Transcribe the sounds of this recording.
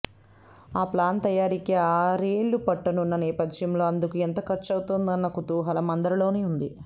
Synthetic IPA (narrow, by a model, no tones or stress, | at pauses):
aːplaːnt̪ɐjaːɾikiaːɾeːɭːupɐʈːɐnunːɐnɛːpɐd̪jɐmlo̞ːɐnd̪ukuent̪ɐkɐt͡ʃːɐwut̪ond̪ɐnːɐkut̪uːɦɐlɐmɐnd̪ɐɾɐlo̞ːneːund̪i